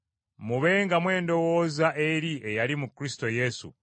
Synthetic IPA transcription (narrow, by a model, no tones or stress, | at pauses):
muβe̞ːŋɡamwe̞ːndo̞wo̞ːzaʔe̞ɾiʔe̞jalimukɾisi̥to̞je̞sṵ